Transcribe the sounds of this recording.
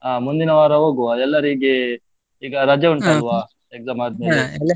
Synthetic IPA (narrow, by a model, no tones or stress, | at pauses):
aːmund̪inɐʋaːɾɐɦoːɡuʋaɛlːɐɾiɡe | iːɡɐɾad͡ʒɐuɳʈaːluʋaː | ekzamaːd̪̚melːele